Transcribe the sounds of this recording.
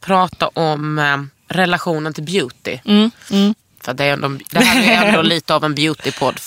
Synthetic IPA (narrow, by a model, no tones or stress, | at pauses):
pʰɾɑːt̪a̰ʔɔm | ɾɛlaɧuːnənt̪ʰɪlbjʉːt̪ɪ̰ | fəɾat̪̚d̪ɛæɾɛnd̪ɔɛd̪ɛhæjɛnoːliːt̪əavɛnbjʉːt̪ɪpʰɔd̪ː